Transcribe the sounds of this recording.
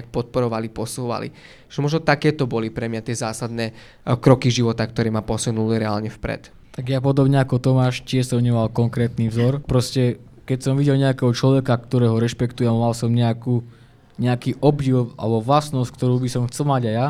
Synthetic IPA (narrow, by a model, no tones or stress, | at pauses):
k̚pɔt̪̚pɔɾɔʋalipɔsuːʋa̰lḭ | ʒ̥ɛmɔʒnɔt̪akɛːt̪ɔbɔlipɾɛmɲat̪ɪɛzaːsad̪nɛː | kɾɔkiʒiʋɔt̪akt̪ɔɾɛːmapɔsunuliɾɛaːlɲɛfpɾɛ̰t̪ | t̪aɡjapɔd̪ɔbɲɛakɔt̪ɔmaːʃcɪɛʃsɔmɲɛmalkɔŋkɾɛːt̪nivzɔɾpɾɔscɛ | kɛcsɔmʋiɟɛlɲɛakɛːɦɔt͡ʃlɔʋɛkakt̪ɔɾɛːɦɔɾɛʃpɛkt̪ujɛmalsɔmɲɛakuː | ɲɛakiːʔɔbɟiwa̰lɛbɔʋlasnɔsckt̪ɔɾuːbisɔmxt͡sɛlmaɟaja